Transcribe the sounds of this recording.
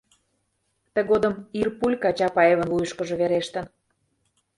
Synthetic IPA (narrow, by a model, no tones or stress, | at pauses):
t̪ə̆ɣod̪ə̆mirpulʲkɑt͡ɕɑpɑeβə̆nβujəʃkə̆ʒɤ̆βeɾeʃt̪ə̆n